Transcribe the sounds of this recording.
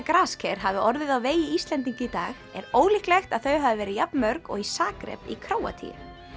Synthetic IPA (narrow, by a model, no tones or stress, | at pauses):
kɾaːskʰɛɾ̥ɦavɪʔɔɾðɪðawveːjɪist̪lɛnt̪iŋcɪit̪aːxɛɾoːwlihklɛxt̪aðθœɥɦavɪvɛːɾɪjapnmœɾkɔ̰ɣisaːkɾɛ̰pḭkʰɾoːwa̰t̪ʰḭ